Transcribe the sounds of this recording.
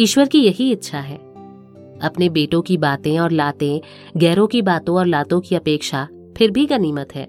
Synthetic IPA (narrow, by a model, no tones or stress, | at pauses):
iːʃwəɾkijɐɦiɪtːʃʰaɦɛ̰ː | ɐpnebeːʈõkibaːt̪ẽɔːɾlaːt̪ẽ | ɡɛːɾõkibaːt̪õɔːɾlaːt̪õkiɐpeːkʃa | pʰɪɾbʱikaniːmət̪ɦɛ̰ː